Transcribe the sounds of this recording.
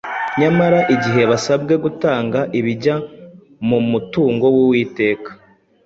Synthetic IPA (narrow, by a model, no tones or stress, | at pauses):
ɲamaɾaʔiɟiɦe̞βasab̚ɡe̞ɡutaːŋɡaʔiβiɟa | mumutuːŋɡo̞wuwiːte̞ːkḁ